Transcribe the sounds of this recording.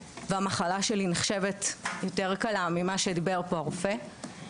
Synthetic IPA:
veamaχalaʃelineχʃe̞vetjote̞ʁkalamimaʃed̪ibe̞ʁpo̞aʁofe̞

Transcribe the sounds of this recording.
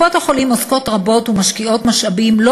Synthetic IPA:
oteχolimosko̞tʁabo̞tumaʃkio̞tmaʃʔabimlo

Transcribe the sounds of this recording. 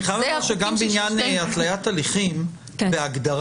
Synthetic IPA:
χajavaʃeɡmbeinjanatlajat̪ːaliχim | veaɡd̪aʁ

